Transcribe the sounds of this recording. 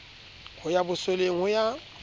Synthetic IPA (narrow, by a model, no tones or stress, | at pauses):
hʊjabʊseleŋ̩ʊja